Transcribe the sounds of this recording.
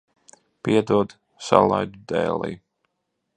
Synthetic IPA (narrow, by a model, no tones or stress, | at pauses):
piɛd̪uɔd̪ | salˠajd̪ud̪ɛːlˠḭj